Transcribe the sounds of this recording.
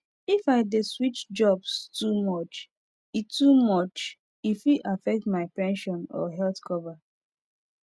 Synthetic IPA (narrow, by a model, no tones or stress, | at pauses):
ifaɪdeswit͡ʃd͡ʒɔbstumɔt͡ʃ | itumɔt͡ʃ | ifiʔafɛk̚tmaɪpɛ̃nʃɔ̃nɔ̰ɦɛltkʰɔva